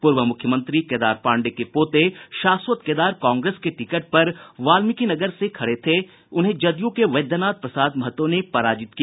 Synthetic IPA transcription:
pʊɾʋəmʊkʰjəmə̃nt̪ɾikeːd̪aːɾpãːɳɖekepoːt̪eʃaːswət̪keːd̪aːɾkãːŋɡɾeːskeʈɪkəʈ̚pɐɾʋaːlmɪkinɐɡəɾsekʰɐɽet̪ʰe | ʊnɦẽd͡ʒɐd̪jõkeʋɐd̪jaːnaːt̪̚pɾɐsaːd̪mɐɦət̪ːõnepɐɾaːd͡ʒɪt̪kia

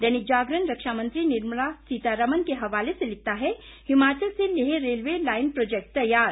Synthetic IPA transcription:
d̪ɛnɪk̚d͡ʒaːɡɾənɾɐkʃamə̃nt̪ɾinɪɾməɭasiːt̪aɾɐmənkeɦɐʋaːleselɪt̪aɦɛ | hɪmaːt͡ʃəlseleɦeɾeːlʋelaːɪnpɾoːd͡ʒek̚ʈt̪ɐjːaːɾ

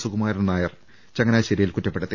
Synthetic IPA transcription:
suɣumaːɾinɐnaːjɐr | t͡ɕɐŋːɐnaːɕɐɾijilkutːɐpːeɽut̪ːi

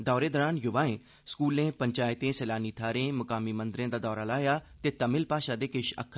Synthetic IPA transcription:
d̪ɔːɾeːd̪ɔːɾaːnjʊʋaːẽː | skuːlẽːpəɲt͡ʃaːɪt̪ẽːsɛːlaːniːt̪ʰaːɾẽːməkaːmiːmənd̪ɾẽːd̪aːd̪ɔːɾaːlaːjaːt̪eːt̪əmɪlpaːʃaːd̪eːkɪʃə̰kʰː

